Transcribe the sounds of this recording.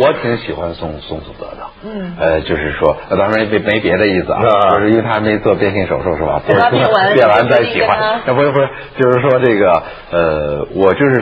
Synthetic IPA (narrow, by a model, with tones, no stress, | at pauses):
wɔ˧˥t̪ʰi˧˥ŋɕi˨˩xwa˦nsʊ˥˧ŋsʊ˥˧ŋt͡su˨˩t̪ɤə̰˧˥t̪ɑ˥˩ə˧t͡ɕjo˥˧ʊʂɻ̩˥˩ʂwɔ˥a˥˧˩t̪ʰe˥me˧˥me˧˥ɪpjɛ˧˥d̪ə˧ji˥˩sɹ̩˩ɐ̰˧˦˥ʂɻ̩˧˥nwe˧ɪt̪ʰa˥me˧˥ɪt͡swɔ˥˧pjɛ˥˧nɕ̬i˥˩ŋʂo˨˩ʊʂo˥˧ʊʂɻ̩˥˩bɐ̰˩tkʰə˥˧pjɛ˥˩nla˧˥nt͡sa˥˩ɪɕi˨˩xwa˦na˥˩pu˧˥˩t͡ɕjo˥˧ʊʂɻ̩˥˩ʂwɔ˥ʈ͡ʂɤ˥˩ɡə˩ | ə˧wʔɔ˨˩t͡ɕjo˥˧ʊʂɻ̩˥˩